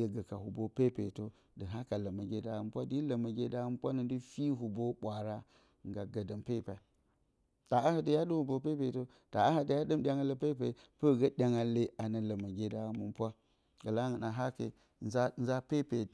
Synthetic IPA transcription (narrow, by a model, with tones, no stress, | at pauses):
e˨ɡə˨ka˨hu˨bo˦pe˦pḛ˨to˦ | də˨ɦa˦ka˨la˨ma˨ɡʲe˦da˨˦m˨˦pʷa˦di˦lə˨ma˨ɡʲe˦da˦m˦pʷa˦nə˨ndi˦fi˦ɦu˨bo˦ɓʷa˨ɾa˦ | ŋ˨ɡa˨ɡə˨də˨mpe˦˨pa˨ | ta˨a˦ha˨də˨ja˦du˦hu˨bo˦pe˦pe˨to˦ | ta˨a˦ha˨də˨˦ja˦ɗɨ˦mɗʲa˨ŋa˦le˦pe˦pe˨pə˦˨ɡa˦ɗʲa˨ŋa˨le˦a˨nə˨lə˨ma˨ɡe˦da˨mu˨m˦pʷa˦ | ɡa˨la˦ŋə˨na˨ɦa˦kḛ˨ | n˦za˦nza˦pe˦pe˨˦